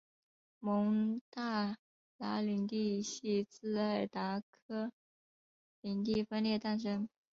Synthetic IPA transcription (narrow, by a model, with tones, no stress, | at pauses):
mʊ˧˥ŋt̪a˥˩ | la˧˥li˧˥ŋt̪i˥˧ɕi˥˧t͡sɹ̩˥˧a˥˩ɪt̪a˧˥kʰɤ˥ | li˧˥ŋt̪i˥˩fə˥nljɛ˥˧t̪a˥˩nʂɤ˥ŋ